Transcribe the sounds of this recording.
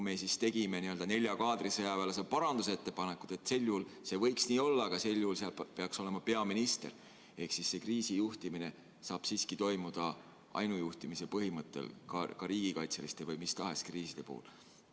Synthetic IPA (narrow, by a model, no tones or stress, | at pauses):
me̞sist̪e̞ɡ̥ime̞niø̞ld̪̥ɑne̞lʲjɑkɑːd̪risejɑvelɑs̬epɑɾɑnd̪use̞t̪ːe̞pɑne̞kːˑu̥t̪e̞t̪ːˑse̞lʲːjuːlse̞vɤ̞jksniːo̞lːɑɡ̥ɑse̞lʲːjuhːlseɑlpe̞ɑkso̞le̞mɑpe̞ɑminist̪e̞̰r | e̞hksisse̞kriːsijuht̪imine̞ | sɑːb̥siːskit̪o̞jmud̪̥ɑ | ʔɑ̰jnujuht̪imisepɤɦimɤt̪ːˑḛlkɑ̰kɑɾiːɡ̥ikɑjt̪selist̪evɯjmist̪ɑɦe̞skriːsid̪̥e̞po̰ːṵl